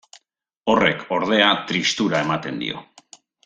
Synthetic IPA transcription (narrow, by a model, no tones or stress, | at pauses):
o̞re̞kʰo̞ɾð̞e̞at̪ɾist̪uɾae̞mat̪e̞nd̪ḭo̞̰